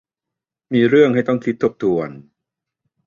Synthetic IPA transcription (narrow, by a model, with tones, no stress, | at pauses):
miː˧ɾɯ˥˩əŋha˥˩jt̪ɔ˥˩ŋkʰi˦˥t̪ʰːo˦˥p̚t̪ʰu˨˧ən